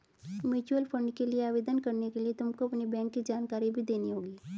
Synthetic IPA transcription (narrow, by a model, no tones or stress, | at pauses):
mʊt͡ʃuəlpʰə̃ɳɖkelieaːʋeːd̪ənkɐɾnekeliet̪ʊmkoɐpnibɛ̃ːŋkːid͡ʒaːnkaːɾibʱid̪eːniɦoːɡiː